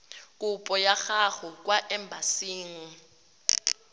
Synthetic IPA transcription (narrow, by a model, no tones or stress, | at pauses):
kʼupʼɔjaχaχʊk̬ʼwaʔɛmbʱasiːŋ̩